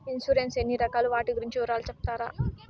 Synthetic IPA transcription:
insuɾensenːiɾɐkaːluʋaːʈiɡuɾiɲt͡ʃiuːɾaːlut͡ʃep̚t̪aːɾa̰ː

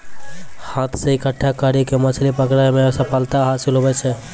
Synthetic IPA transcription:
hat̪ʰseikəʈʰːakaɾikemət͡ʃʰlipəkɾaemesəpʰalt̪aɦasilɦobɛt͡ʃʰɛ

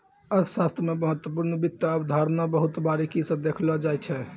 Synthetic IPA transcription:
əʃast̪ʰɾəmeməɦət̪ːwəpuɾnəbit̪ːjaəbd̪ʱaɾnabəɦut̪baɾikisəbd̪ekʰlɔd͡ʒajt͡ʃʰɛ

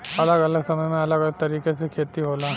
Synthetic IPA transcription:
ɐləɡɐləɡsɐməjmẽɐləɡɐləɡ̚t̪ɐɾiːkesekʰeːt̪iɦoːlaː

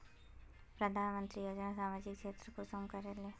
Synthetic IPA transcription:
pɾɐd̪ʱaːnmə̃nt̪ɾijoːd͡ʒnasaːmaːd͡ʒɪkʃeːt̪ɾəkosɐmkɐɾeleː

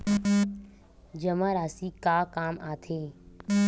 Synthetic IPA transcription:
d͡ʒəmãɾaːsikaːkaːmaːt̪ʰeː

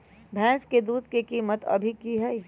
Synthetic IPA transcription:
bʱɛ̃ːsked̪uːd̪kekiːmət̪ɐ̰bʱikiɦɛi

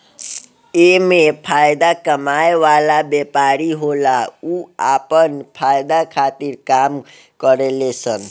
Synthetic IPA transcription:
emepʰajd̪akəmajeʋalabepaɾiɦolauapənpʰajd̪akʰat̪iɾkam | kəɾelesən

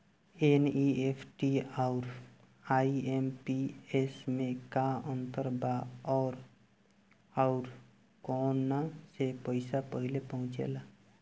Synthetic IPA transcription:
eniepʰʈiɔʊɾ | aːiempiesmẽkaə̃nt̪əɾbaɔːɾ | aʊɾ | kɔːnːasepəɪsapəɦɪlepəɦʊ̃t͡ʃḛla

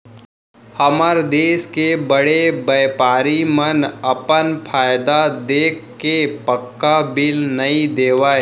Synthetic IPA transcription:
həməɾd̪eːskebəɽebeːpaːɾimənɐpənpʰaːjd̪ad̪eːkkepəkːabɪlnɐɦĩd̪eːʋaːe

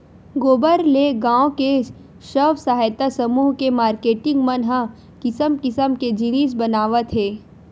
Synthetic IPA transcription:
ɡoːbəɾleɡãːõke | ʃəʋsaɦajt̪asəmuːɦkemaːɾkeːʈɪ̃ŋɡmɐnɦã | kɪsəmkɪsəmked͡ʒiniːs̬bɐnaːʋət̪ɦeː

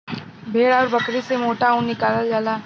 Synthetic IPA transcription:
bʱeːɽaːɾbəkɾisemoːʈaũnɪkaːləld͡ʒaːlaː

